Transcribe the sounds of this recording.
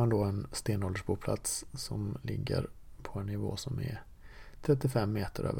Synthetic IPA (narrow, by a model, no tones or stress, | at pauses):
and̪ɔɛnst̪eːnɔːld̪əʂbuːpʰla̰t̪sːɔmlɪɡːə̰ɾpʰɔɛnːɪvo̰ːsɔmɛ | t̪ʰɾɛt̪ːɪfɛmːeːt̪əɾʔø̰ːvə